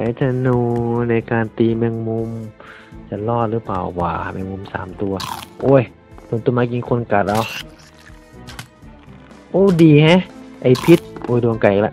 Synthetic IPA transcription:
ka˨˧˩jt̪ʰa˧˩nuː˧na˧˩jkaː˨˧nt̪iː˧mɛ˧˨ŋmu˧m | sa˧˩lɔː˧˩˨t̪̚lɯː˧˦pa̰ː˨˩wwa̰ː˨˧˩mɛ̰˧˨mu˧˨msa̰ː˨˦mt̪u˧ɐʔoː˧˥˩j | d̥oː˧˨nt̪u˧˨maː˧k̬i˧ŋkʰo˧˥˨nka˨˩t̪̚ʔa˧˨w | ʔoː˧˩diː˨˩hɛ̃˧˥˨ʔa˨˩jpʰi˧˦t̪̚ʔoː˧˩jdo˨əŋka˨˩ʔ̚lɛ˧˥

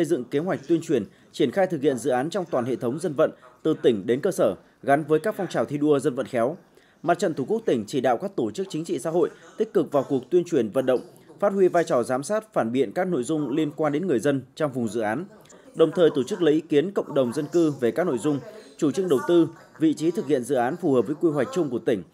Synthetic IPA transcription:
sə˧jzɨ̰˧˨ŋke˨˦ɦwa˨˩k̟̚t̪wi˧ənt͡ɕwi˧˩ən | t͡ɕi˧˩ənxaː˧jt̪ʰɨ˨˩k̚hḭ˧˨ənzɨ̰˧˨ʔaː˨˦nt͡ɕɔ˧wŋ͡mt̪waː˨˩nhḛ˧˨t̪ʰə˨˦wŋ͡mzə˧nvə̰˧˨nt̪ɨ˨˩t̪ï˧˩ŋ̟ɗe˨˦nkəː˧səː˧˩ | ɣa˨˦nvəː˨˦jkaː˦˥k̚fɔ˧wŋ͡mt͡ɕaː˨˩wt̪ʰi˧ɗu˧əzə˧nvə̰˧˨nxɛ˨˦w | ma˨t̚t͡ɕə̰˧˨nt̪ʰu˧˩ku˦˥ək̚t̪ï˧˩ŋ̟t͡ɕi˧˩ɗa̰ː˧˨wkaː˦˥k̚t̪o˧˩t͡ɕɨ˦˥k̚t͡ɕï˨˦ŋ̟t͡ɕḭ˧˨sa̰ː˧˥ɦo̰˧˨jt̪i˦˥k̟̚kɨ˨˩k̚vaː˨˩wku˨˩ək̚t̪wi˧ənt͡ɕwi˨˩ənvə̰˧˨nɗə̰˧˨wŋ͡m | faː˦˥t̚hwi˧vaː˧jt͡ɕɔ˨˩zaː˨˦msaː˦˥t̚faː˧˩nɓḭ˧˨ənkaː˦˥k̚no̰˧˨jzʊ˧ŋ͡mli˧ənkwaː˧nɗe˨˦nŋɨ˨˩əjzə˧nt͡ɕɔ˧wŋ͡mvʊ˨˩ŋ͡mzɨ̰˧˨ʔaː˨˦n | ɗə˨˩wŋ͡mt̪ʰəː˨˩jt̪o˧˩t͡ɕɨ˦˥k̚lə˧˥ʔi˧ki˨˦ənkə̰˧˨wŋ͡mɗə˨˩wŋ͡mzə˧nkɨ˧ve˨˩kaː˦˥k̚no̰˧˨jzʊ˧ŋ͡mt͡ɕu˧˩t͡ɕɨ˧ŋ̚ɗə˨˩wt̪ɨ˧ | vḭ˧˨t͡ɕi˨˦t̪ʰɨ˨˩k̚hḭ˧˨ənzɨ̰˧˨ʔaː˨˦nfu˧˩həː˨˩p̚və˨˦jkwi˧ɦwa˨˩jk̟̚t͡ɕʊ˧ŋ͡mku˧˩ət̪ï˧˩ŋ̟

